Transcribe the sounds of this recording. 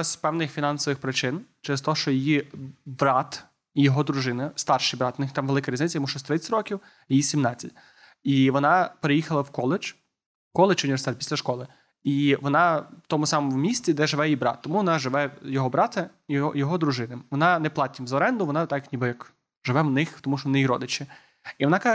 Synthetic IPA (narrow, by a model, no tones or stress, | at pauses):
sʲpɛwnɪxfʲinɑnsɔʋɪxpɾɪt͡ʃɪnt͡ʃɛɾɪst̪ɔɦɔʃt͡ʃɔjɪjibɾɑt̪ | ijɔɦɔd̪ɾʊʒɪnɪst̪ɑrʃɪjbɾɑt̪ʊnɪxt̪ɑmʋelˠɪkɐɾʲiznɪt͡sʲɐjmuʃt͡ʃɔsʲt̪ɾɪt͡sʲtʲɾɔkʲiw | jejisʲimnɑt͡sʲːɐtʲ | iʋɔnɑpeɾejixɐlˠɐwkɔlˠɪt͡ʃ | kɔlˠet͡ʃʊnʲiʋeɾst̪ɛt̪̚pʲi̥slʲɐʃkɔlˠɪ | iʋɔnɑwt̪ɔmʊsɑmɔmwʊmʲisʲt͡sʲid̪ɛʒɪʋɛjibɾɑ̰t̪ːɔmuʋɔnɑʒɪʋɛjɔɦɔbɾɑt̪ɐ | jɔɦɔd̪ɾʊʒɪnɪmʋɔnɑnɛplˠɑt̪ʲːimzɐɔɾɛnd̪ʊʋɔnɑt̪ɑknʲibɪjɐk | ʒɪʋɛwnɪxt̪ɔmuʃt͡ʃɔʋɔnɪjiɾɔd̪ɪt͡ʃɪ | iʋɔnɑkɑ